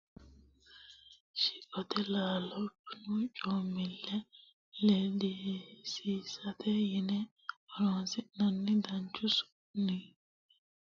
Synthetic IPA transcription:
ʃɪʔʼɔt̪ʰɛlaːlɔpːnʊt͡ʃʼoːmɪlːɛ | lelisiːsɐt̪ʰɛjɪnɛ | ɐloːsɪnɐnːɪd̪ɐnt͡ʃːʊsʊ̥ | ni

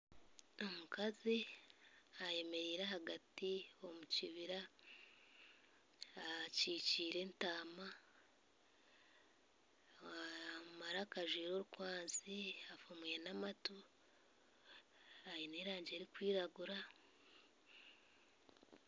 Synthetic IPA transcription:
o̞mukʰazi | aje̞me̞ɾiːɾeɦaɡatio̞muciβiɾa | ciːciːɾe̞ntaːma | maɾakaʒwiːɾo̞ːɾukwaːnsiafomwe̞namato | aineɾaːɲɟe̞ːɾikwiːɾaɡuɾa

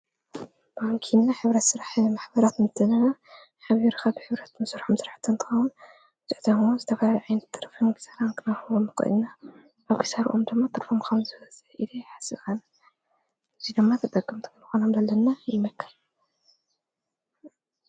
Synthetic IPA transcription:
b̥aŋkʰinːaħɨβɾɐt̪sɨɾaħmaħbɐɾat̪nɨt̪ʰɨnɐna | ħaβiɾkʰabɨħɨβɾɐt̪mɨsuɾħomsɨɾaħt̪ʰːɨnt̪ʰɨ̥xɐwun | bɨt̪ʼɨʕt̪ʰɐmwunzɨt̪ʰɐfɐlaliʕajnɐt̪ʰːɨɾfimkʰi̥saɾankʰɨnahɨwomːɨkʼɨ̰na | ʔaβkʰi̥saɾʔomd̪ɨmːat̪ʰɨɾfomkʰɐwzɨβɐzɨħid̪iħḁsɨβkana | ʔɨzid̪ɨmːat̪ʰɨt̪ʼɐɡɨmt̪ʰɨ̥kɨnɨxonomzɐlːɐnːajɪmɐkʰːɐl

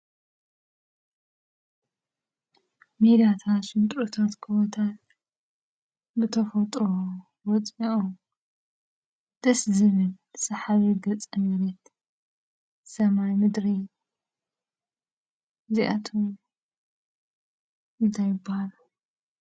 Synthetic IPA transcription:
med̪ijat̪ʰat̪ʃɨnt̪ʼɾot̪ʰat̪kʰɨβot̪ʰat̪ | bɨt̪ʰɐfɐt̪ʼɾo | wɔt͡sʼiʔom | d̪̥ɐszɨβɨl | sɐħaβiɡɐt͡sʼɐnɐɾɐt̪ | sɐmajmɨd̪ɾi | ziʔa̰t̪ʰom | ɨnt̪ʰajɪbːɐhalu

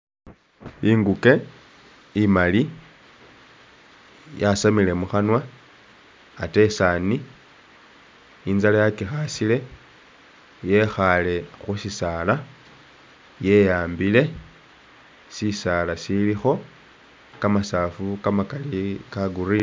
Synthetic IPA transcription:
iŋɡuke̞ | imali | jasamile̞muxanwa | te̞sani | inzalajakixasile̞ | je̞xale̞xusisala | je̞jaːmbile̞ | sisalasilixo̞ | kamasafukamakalikaɡuri

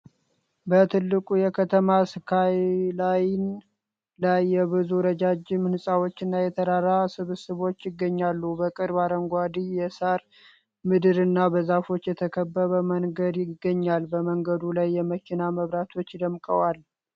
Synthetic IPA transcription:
bət̪ʰɨlːɨkʼujɛkʰət̪ʰəmasɨkʰajlajn | lajːɛβɨzuɾəd͡ʒad͡ʒɪmnɨsʼawo̞t͡ʃːɨnːajɛt̪ʰəɾaɾasɨβsɨβo̞t͡ʃːjɪɡːəɲːalːubəkʼɨɾbaɾəŋɡʷad̪ijɛsaɾ | mɨd̪ɨɾɨnːabəzafo̞t͡ʃːjɛt̪ʰəkʰəbːəβəməŋɡəd̪jɪɡːəɲːalbəməŋɡəd̪ulajːɛməkʰinaməβɾat̪ʰo̞t͡ʃːd̪əmkʼəwal

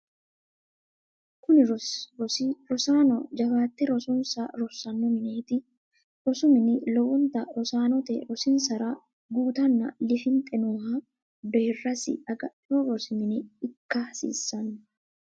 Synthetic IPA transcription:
kʊnɪ | ɾɔsaːnɔd͡ʒɐfaːt̪ːɛɾɔsɔnsaɾɔsːɐnːɔmɪneːt̪ɪ | ɾɔsʊmɪnɪlɔwɔnt̪ɐɾɔsaːnɔt̪ɛ̰ɾɔsɪnsɐɾa | ɡuːt̪ɐnːɐ̰lɪfɪnt̪ʼɛnuha | d̪erːɐsɪ̰ɐɡɐɪɔɾɔsɪmɪnɪɪkːasḭːsːɐn

